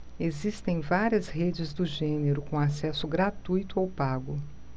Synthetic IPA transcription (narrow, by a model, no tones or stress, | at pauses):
ezist̪ẽj̃vaɾiɐzhed͡ʒɪzd̪ʊʒẽneɾʊkõasɛsʊɡɾat̪ujt̪ʊawpaɡʊ